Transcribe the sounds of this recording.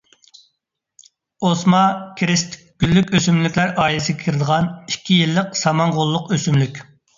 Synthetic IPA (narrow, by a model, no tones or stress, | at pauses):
osmɑkʲʰɾɪst̪ʰ | ɡ̥ʲylːykʲøsymlykʲlæɾɑːilɪsɪɡʲɪkʲʰiɾɪd̪əʁɑnikʲʰːijilːəqsɑmɑŋʁolˠːʊqøsymlykʲ